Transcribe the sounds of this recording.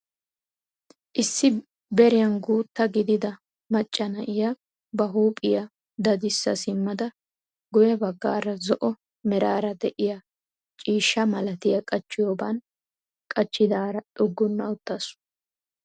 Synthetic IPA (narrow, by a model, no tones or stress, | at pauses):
ʔɪsːɪ | bɛɾɪjɐnɡuːt̪ːɐɡɪd̪ɪd̪ɐ | mɐt͡ʃʼːɐnɐʔɪjɐ | bɐɦuːpʼɪjɐ | d̪ɐd̪ɪsːɐsɪmːɐd̪ɐ | ɡʊjɛbɐɡːa̰ːɾɐzɔʔɔ | mɛɾaːɾɐd̪ɛʔɪjɐ | t͡ʃʼiːʃːɐmɐlɐt̪ɪjɐkʼɐt͡ʃːɪjoːbɐn | kʼɐt͡ʃːɪd̪aːɾɐᶑɔɡːʊnːɐwʊt̪ːɐs